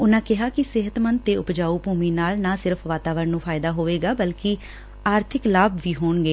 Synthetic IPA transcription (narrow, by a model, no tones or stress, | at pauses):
ʊnãːkɪɦaːkɪsɪɦət̪mənd̪̚t̪eːʊpd͡ʒaːuːpuːmiːnaːlnãːsɪɾfʰʋaːt̪aːʋəɾnũːpʰaːɪd̪aːɦoːʋeːɡaːbəlkɪ | aːɾt̪ʰɪklaːbʋiːɦoːɳɡeː